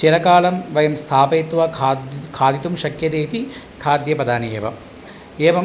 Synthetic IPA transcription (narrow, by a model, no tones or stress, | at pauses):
t͡ʃelɐkaːlɐmʋɐjɐmst̪ʰaːpeːt̪ʋɐkʰaːd̪it̪umʃɐkjɐt̪eːt̪i | kʰaːd̪jɐpɐd̪aːniḛːʋɐ̰ | eːʋɐm